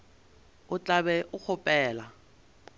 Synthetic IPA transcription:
ʊt͡ɬʼabɛʔʊk͡xʰʊpʼɛːla

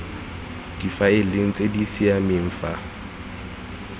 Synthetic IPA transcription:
d̥ifaɪlɪŋ̩t͡sʼedisiamɪm̩ːfa

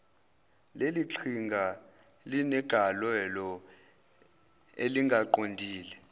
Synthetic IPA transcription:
leliǃʰiŋɡʱa | linɛɡ̥ʱalwɛlɔ | eliŋɡʱaǃondʱiːlɛ

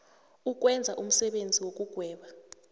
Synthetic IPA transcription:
uk̬ʼwɛnd͡zʱaʔum̩sɛɓend͡zʱiwok̬ʼuɡ̥ʱwɛːɓa

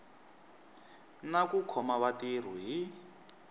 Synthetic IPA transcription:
nakukʰɔmaβatir̤uɦi

